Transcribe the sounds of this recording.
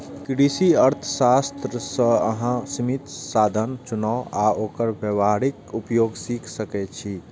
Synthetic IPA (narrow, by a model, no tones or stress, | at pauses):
kɾisiəɾt̪ʰə̥sast̪ɾəsə̃əɦãsimit̪sad̪ʱənt͡ʃunaʊaokəɾbəʋaɾikupjoɡsikʰsəkɛt͡ʃʰi